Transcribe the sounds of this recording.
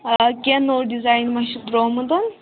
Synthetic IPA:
kenoɾɖid͡zajnmaɕid̪ɾoməd̪un

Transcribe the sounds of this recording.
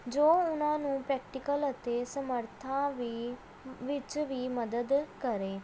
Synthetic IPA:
d͡ʒoːʊnãːnũːpɾɛːk̚ʈɪkələt̪eːsəməɾt̪ʰãːʋ | ʋɪt͡ʃʋiːməd̪əd̪kəɾeː

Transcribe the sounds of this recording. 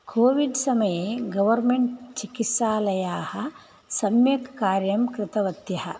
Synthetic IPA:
kʰoːʋiɖsɐmɐjeːɡɐʋɐɾmeɳʈt͡ʃikit̪saːlɐjaːhɐ | sɐmjekkaːɾjɐmkɾɪt̪ɐʋɐt̪jɐhɐ̰

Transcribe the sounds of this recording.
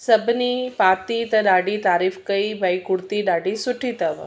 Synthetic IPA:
sɐbʱnipaːt̪it̪ɐɖaːɖit̪aːɾiːfkəibʱaikʊɽt̪iɖaːɖisʊʈʰit̪əʋ̰

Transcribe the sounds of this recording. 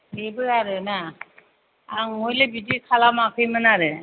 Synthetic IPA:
hebɯaɾɯna | ŋŋojlebidikʰalamakʰɯjmɯnaɾɯ

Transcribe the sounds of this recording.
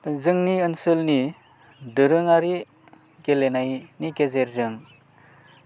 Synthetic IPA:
zɯŋniɯnsɯlni | dɯɾɯŋaɾi | ɡelenajniɡezeɾzɯŋ

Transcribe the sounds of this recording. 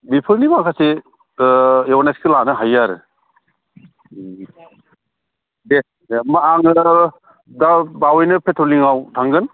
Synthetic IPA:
bipʰɯɾnimakʰase | ewanaskʰɯlanɯɦajaɾɯ̰ | de | maaŋɯ | dabawɯjnɯpʰetɾoliŋawtʰaŋɡɯn

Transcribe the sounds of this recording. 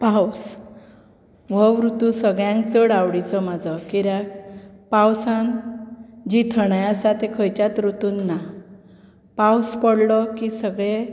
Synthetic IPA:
paws | ʋɔʋɾut̪ũsəɡɭjãŋkt͡səɽawɽit͡sɔmad͡zɔkiɾakpawsan | d͡ʑit̪ʰəɽ̃ajasat̪ekʰəjt͡ɕat̪ɾut̪unːa | pawspɔɽlɔkisəɡɭe

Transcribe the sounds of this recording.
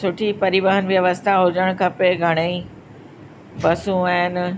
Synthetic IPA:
sʊʈʰipɐɾiʋəɦənɪ̆ʋijɐʋɐsɪt̪aɦʊd͡ʑəɽ̃kʰɐpeɡʱɐɽ̃eĩ | bɐsũaːɦɪnɪ̆

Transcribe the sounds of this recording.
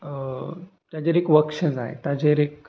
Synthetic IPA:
t̪jad͡ʑeɾekʋəkʂəd͡za̰ɦḛt̪ad͡ʑeɾek

